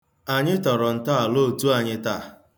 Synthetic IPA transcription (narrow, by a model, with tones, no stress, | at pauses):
a˨ɲɪ˦tɔ˨ɾɔ˨n̩˨ta˦a˨lo˦˨tu˦a˨ɲɪ˦ta˦˨